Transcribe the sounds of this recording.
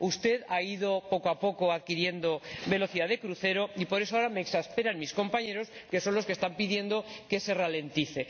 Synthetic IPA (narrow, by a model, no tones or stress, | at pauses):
ust̪e̞ðaiðo̞po̞koapo̞koaðkiɾje̞nd̪obe̞lo̞θiðaðe̞kɾuθe̞ɾo̞ipo̞ɾe̞soaoɾameːksaspe̞ɾanmisko̞mpaɲe̞ɾo̞ske̞so̞nlo̞skest̪ampiðje̞nd̪o̞ke̞se̞rale̞nt̪iθe̞